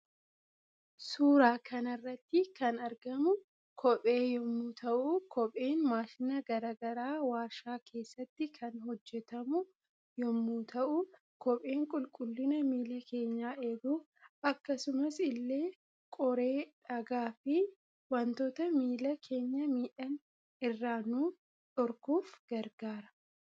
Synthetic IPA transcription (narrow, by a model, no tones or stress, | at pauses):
suːɾaːkʰɐnɐrːɐt̪ːɪkɐnɐɾɡɐmʊ | kʰɔpʼe̞ːjɔmːuːt̪ʰɐʔʊkʰɔpʼe̞ːnmaːʃɪnɐɡɐɾaːɡɐɾaːwaːɾʃaːkʰe̞ːsːɐt̪ːɪkʰɐnɦɔd͡ʒːɛt̪ɐmʊ | jɔmːuːt̪ʰɐʔʊ | kɔpʼe̞ːŋkʼʊlkʼʊlːɪnɐmiːlɐkʰe̞ːɲːaːʔeːɡuː | ɐkːɐsʊmɐsɪlːe̞ː | kʼɔɾe̞ːᶑɐɡaːfɪ | wɐnt̪oːt̪ɐmiːlɐkʰe̞ːɲːɐmiːᶑɐn | ɪrːaːnuː | ᶑɔɾkuːfɡ̥ɐɾɡaːɾɐ̥